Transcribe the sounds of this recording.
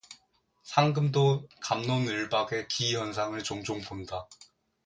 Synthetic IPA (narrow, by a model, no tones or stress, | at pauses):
sʰaŋɡɯmdokamnonɯɭbaɡe̞kijʌnsʰaŋɯɭt͡ɕoŋd͡ʑoŋponda